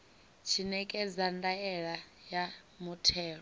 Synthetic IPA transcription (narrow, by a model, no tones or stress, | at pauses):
t͡ʃʰinɛkʼɛd͡zandaɛɺa | ja | mutʰɛːɺɔ